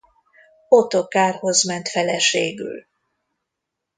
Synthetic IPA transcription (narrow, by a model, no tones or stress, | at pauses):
ot̪okaːrho̞zmɛnt̪fɛlɛʃeːɡy̰l